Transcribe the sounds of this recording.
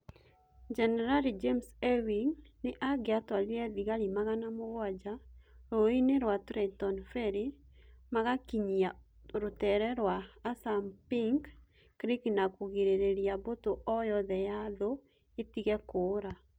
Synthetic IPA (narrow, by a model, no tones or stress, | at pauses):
d͡ʒɛnɛɾalid͡ʒemsɛwiŋneʔaɡeatwaliɛðiɣaɾimaɣanamoɣwad͡ʒaɾoineɾwatɾɛtɔnfɛɾimaɣakiɲia | ɾotɛɾɛɾwaːsampiŋɡ | ɾiknakoɣiɾeɾeɾiabotoʔɔjɔðɛjaðo | etiɣɛkoːɾa